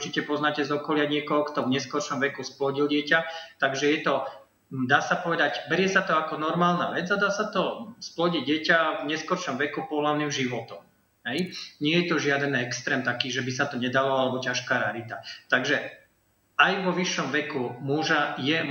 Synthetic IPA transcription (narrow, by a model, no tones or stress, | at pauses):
uɾt͡ʃicɛpɔznaːcɛzɔkɔlɪaɲɪɛkɔɦɔkt̪ɔvɲɛskɔɾʃɔmʋɛkusplɔɟilɟɪɛcat̪aɡʒɛjɛt̪ɔ | d̪aːsapɔʋɛd̪aɟbɛɾɪjɛsat̪ɔakɔnɔɾmaːlna̰ʋɛd͡zad̪aːsat̪ɔsplɔɟiɟɪɛcavɲɛskɔɾʃɔmʋɛkupɔɦlaʊniːmʒiʋɔt̪ɔm | ɦɛjɲɪɛjɛt̪ɔʒɪad̪ɛnɛkst̪ɾɛːmt̪akiːʒɛbisat̪ɔɲɛd̪alɔalɛbɔcaʃkaːɾalit̪at̪aɡʒɛ | ajʋɔʋiʃːɔmʋɛkumuʒajɛ